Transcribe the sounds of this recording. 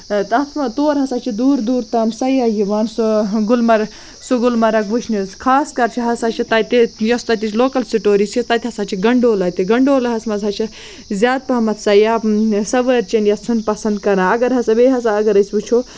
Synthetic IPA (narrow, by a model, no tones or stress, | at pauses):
t̪ɐt̪ʰmɐt̪oːɾɦɐsaːt͡ʃʰid̪uːɾd̪uːɾt̪ɐːmsɐjaːjiʋaːnsoɡulmɐɾ | suɡulmɐɾɐkʋuʃʰnizkʰaːskɐɾt͡ʃʰiɦɐsat͡ʃʰit̪ɐt̪ijɐst̪ɐt̪ʲit͡ʃʰloːkɐlsiʈoːɾisit̪ɐt̪ʲɦɐsaːt͡ʃʰiɡɐɳɖoːlɐt̪iɡɐɳɖoːlɐɦɐsmɐzɦɐt͡ʃʰi | zʲjaːd̪̚pɐmɐt̪ʰsɐjaːsɐʋɐɾt͡ʃɐnjɐt͡sʰunpɐsɐnd̪̚kɐɾãːɐɡɐɾɦɐsɐbeːɦɐsaɐɡɐɾɐsʲbut͡ʃʰoː